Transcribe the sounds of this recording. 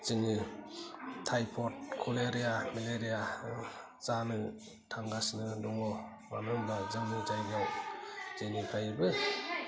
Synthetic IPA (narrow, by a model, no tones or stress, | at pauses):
zɯŋɯ | tʰajpʰɔtkʰuleɾijameleɾija | zanɯ | tʰaŋɡasnɯduŋɔ | manɔmbazɯŋnɯd͡ʒajɡawz̥enipʰajɯbɯ